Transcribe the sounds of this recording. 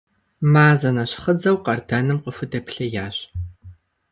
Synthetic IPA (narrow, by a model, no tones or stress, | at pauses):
maːzɐnɐɕχəd͡zɐwqɐrdɐnɨmqʷəfɨdɐpɬɐjaːɕ